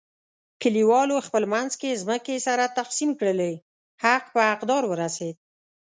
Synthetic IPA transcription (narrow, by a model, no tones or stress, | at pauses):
kəliwɑloxpəlmanzkezməkesaɾat̪afsimkɽəlej | haqpəaqd̪ɑɾwəɾased̪̚